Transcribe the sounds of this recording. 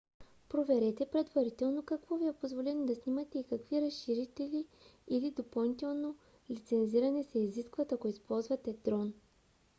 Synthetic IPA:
pɾovɛɾɛt̪ɛpɾɛd̪vɐɾit̪ɛlˠnokɐkvɔviɛpozvolɛnid̪ɐsnimɐt̪ɛikɐkviɾɐsʃiɾit̪ɛli | ilid̪opɐlˠnit̪ɛlˠno | lit̪sɛnziɾɐnɛsɛiziskvɐt̪ɐkoispɔlˠzvɐt̪ɛd̪̥ɾɔn

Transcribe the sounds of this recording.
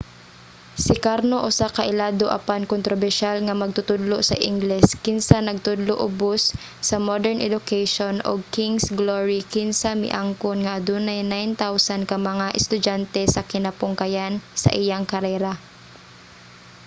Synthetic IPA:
sɪkaɾnoʔʊsakaʔɪlaːd̪oʔa̰pankont̪ɾobɛɹʃalŋamɐɡ̚t̪ʊt̪ʊd̪loʔsɐ̰ʔɪŋɡlɛskɪnsanɐɡ̚t̪ʊd̪loʔʊbosː | ɐmod̪ɛɹnʔɛ̰d̪ʊkajʃonʔo̰ɡ̚kɪŋsɡloɹikɪnsamɪ̰ʔaŋkonŋaʔːd̪unajnajnt̪awsankɐmɐŋaʔɛst̪ʊd͡ʒant̪ɛsɐkɪnapʊŋkajansɐ̰ʔɪjaŋkɐɾɛɾa

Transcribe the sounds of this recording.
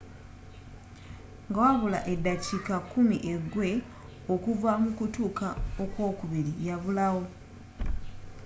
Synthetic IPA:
ŋɡawaβula̰ʔe̞dacikakumiʔe̞ɡwe̞ | okuvamukutuːkaokwo̞ːkuβiɾijaβulawo̞

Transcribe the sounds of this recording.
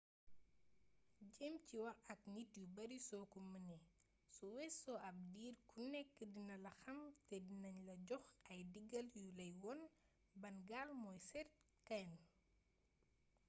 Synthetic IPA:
ɟɛmciwɐʔɐk̚nitjubɐɾisɔkumənɛ | sɔwɛsɔʔɐp̚diːɾkunɛkːədinɐlɐxɐmtɛdinɐɲlɐɟɔxɐjdiɡɐljulɐjwɔn | bɐnɡaːlmɔjsɛrt | kɐn

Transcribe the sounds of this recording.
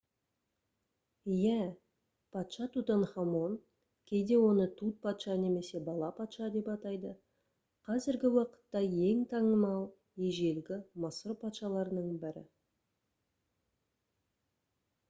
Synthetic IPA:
jæ | pʰɑt̪ʃɑt̪ut̪ɑnχɑmo̞n | kʲʰe̞jd̪e̞wo̞nət̪ʰut̪̚pʰɑt̪ʃɑne̞me̞se̞bɑlˠɑpʰɑt̪ʃɑd̪e̞pɑt̪ɑjd̪ə | qʰɑzɪɾɡʲɪwɑqə̥t̪ːɑje̞ŋt̪ʰɑɴəmɑlˠ | jeʒe̞lɡʲɪmɑsəɾpʰɑt̪ʃɑlˠɑɾənəɴbɪɾɪ̰

